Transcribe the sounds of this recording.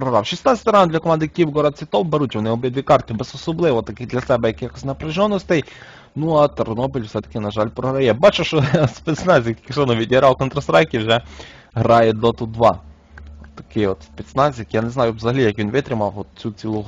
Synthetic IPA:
pɾɔɦɾɑwʃisnɑt͡sʲɐ̥t̪ʲɾɑnd̪lʲɐkɔmɑnd̪ɪkʲiwɡɔɾɐd̪t͡sʲʋʲɪt̪ɔwbeɾutʲʋɔnɪɔbʲjɛd̪ʋʲikɑrt̪ʲɪbezɔsɔblˠɪʋɔt̪ɐkɪd̪lʲɐsɛbɛjɐkɪxɔsʲnɐpɾɪʒɔnːɔsʲt̪ɛj | nuɐt̪ernɔbilʲwsɛt̪ɐ̥kɪnɐʒɑlʲpɾɔɦɾɐjɛbɑt͡ʃʊʃɔspɛt̪snɛzʲjɐkʲkɪxsɔnɔʋʲidʲiɦɾʔɑwkɔnt̪ɾɐsɾɑjkʲɪwʒɛ | ɦɾɑjɛd̪ɔt̪uʋɑ̰ | t̪ːɐ̥kɪjɔt̪spʲit̪snɑzʲjɐkjaneznɑjʊʋzɐɦɐlʲijɐkʋʲinʋɪt̪ɾɪmɑwɔt̪t͡sʲut͡sʲilˠuɦ

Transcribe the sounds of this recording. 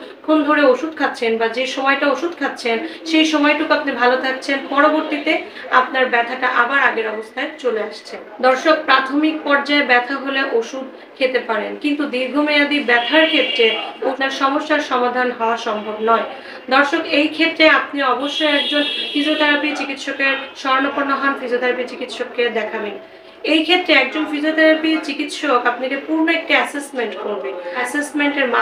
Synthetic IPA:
kʰond̪ʱoɾeoʃud̪̚ʱkʰat̪ːɕʰenbad͡ʑeʃɔmɔjʈaoʃud̪kʰat̪ːɕʰenʃejʃɔmɔjʈukapnibʱalot̪ʰak̚t͡ɕʰenpɔɾoboɾt̪it̪e | apnaɾbɛt̪ʰaʈaʔabaɾaɡeɾɔbost̪ʰaet͡ɕoleaʃt͡ɕʰend̪ɔɾʃok̚pɾat̪ʰomik̚pɔɾd͡ʑaebɛt̪ʰaɦoleʔoʃud̪̚ | kʰet̪epaɾenkint̪ud̪iɾɡʱomead̪iɾbɛt̪ʰaɾkʰet̪ːɾeopnaɾʃɔmoʃːaɾʃɔmad̪ʱanɦɔoaɾʃɔmbʱobnɔe | d̪ɔɾʃokejkʰet̪ːɾeapniɔboʃːojɛk̚d͡ʑonfid͡ʑot̪ʰaɾapiɾt͡ɕikit̪ʃokeɾʃɔɾnopoɾnːoɦɔnfid͡ʑiot̪ʰaɾapiɾt͡ɕikit̪ʃokːed̪ɛkʰaben | ejkʰet̪ːɾeɛk̚d͡ʑonfid͡ʑiot̪ʰɛɾapiɾt͡ɕikit̪ʃokapnakepuɾnoek̚ʈiɛsesmeɳʈkoɾbeɛsesmeɳʈeɾma

